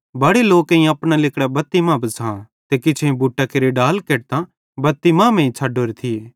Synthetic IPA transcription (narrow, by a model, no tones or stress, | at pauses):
bɐɽeloːkɐ̃ĩɐpɽ̃alɪkɽabɐt̪ːimãbɐsaã | t̪ekɪt͡ʃʰẽbʱuːʈakeɾeɖaːlkeːʈ̚t̪ã | bɐt̪ːimãːmẽĩt͡ʃʰaːɖoːɾet̪ʰijeː